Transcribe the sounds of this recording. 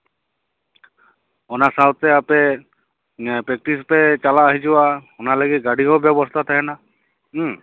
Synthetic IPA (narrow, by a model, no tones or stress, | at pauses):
ɔnasawt̪ːɛape | pɾek̚ʈispɛt͡ʃalaːɦid͡ʒiwaɔnaləɡit̪̚ɡaɽiɦɔbjɔbɔst̪ʰat̪ʰaɦɛna